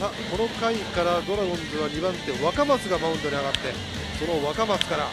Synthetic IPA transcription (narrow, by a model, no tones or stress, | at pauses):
ako̞no̞kaikaɾad̪o̞ɾaɡõ̞nzɨβaɲ̟ibãnt̪ːeβakamasɨɡabaɯ̟̃nd̪o̞ɲʲiaɡat̪ːe̞ | so̞no̞βakamasɨ̥kaɾa